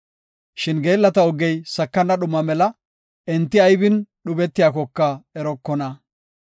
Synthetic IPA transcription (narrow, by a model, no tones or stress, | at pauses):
ʃɪnɡe̞ːlːɐt̪ɐɔɡːɛjsɐkːɐnːɐɗʊmɐmɛlɐ | ɛnt̪ːɪɐjbɪnɗʊbɛt̪ːɪjaːkɔkːɐɛɾɔkːɔnɐ